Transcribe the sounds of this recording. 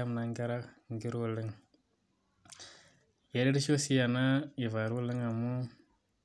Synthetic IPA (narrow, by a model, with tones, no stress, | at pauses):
a˦mna˨ŋɡi˦ɾa˦k | ŋɡi˦ɾwu˦˨li˦ŋ | je˨ɾi˦ɾi˦ʃo˦si˦ja˨na˦i˨va˨ɾu˦lɪ˦ŋa˨mu˦